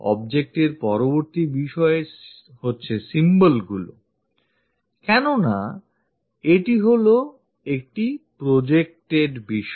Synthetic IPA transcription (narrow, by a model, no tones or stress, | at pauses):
ɔ̰bd͡ʑek̚ʈeɾpɔɾoboɾt̪ibiʃɔe | hotːɕʰesimbəlɡulo̰ | kɛnona | eʈiɦolo | ek̚ʈipɾod͡ʑek̚ʈeɖbiʃ